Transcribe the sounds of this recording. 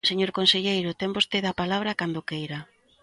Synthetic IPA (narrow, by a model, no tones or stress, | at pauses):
seɲoɾkonseʎejɾʊt̪embost̪eðapalaβ̞ɾakand̪ʊkejɾa